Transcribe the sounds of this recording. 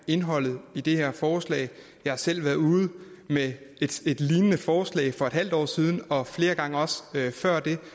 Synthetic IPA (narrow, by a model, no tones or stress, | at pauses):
e̝nɦɒ̽l̰ð̞̩ˠid̥e̝heɐ̰fɒːslɛ̰ːɪ | jɑ̈hɑ̈sel̰ʋæːɐð̩ˠuːð̩ˠ | mee̥e̝d̥liːnənəfɒːslɛ̰ːɪfɒ̽e̝d̥hæl̰d̥ɒ̰ːsiːð̞ˠn̩ɒ̽fle̝ːɐɡ̥ɑ̈ŋəɒ̽søfɶɐ̰d̥e̝